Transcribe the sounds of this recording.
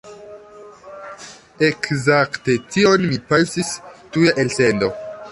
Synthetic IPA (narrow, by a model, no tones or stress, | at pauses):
ekzakte̞tio̞nmipensistujaʔelse̞ndo̞